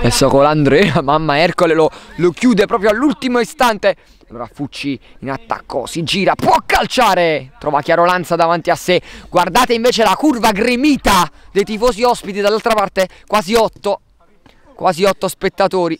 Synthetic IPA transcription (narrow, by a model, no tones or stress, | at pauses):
ɛsːɔkoland̪ɾɛamamːaɛrkolelolokjuːd̪epɾɔːp̬joalːult̪imoist̪ant̪e | aloːɾa̰fut͡ʃːiːnat̪ːa̰kːo̰sid͡ʒiːɾapwɔkːalt͡ʃaːɾet̪ɾʔɔːvak̟jaːɾolant̪sad̪avant̪iasːeɡward̪aːt̪eiɱveːt͡ʃelakurvaɡɾimiːt̪ad̪ejt̪ifɔːsiɔspit̪id̪alːalt̪ɾapart̪ekwaːziɔt̪ːo | kwʔaːziɔt̪ːospet̪ːat̪oːɾi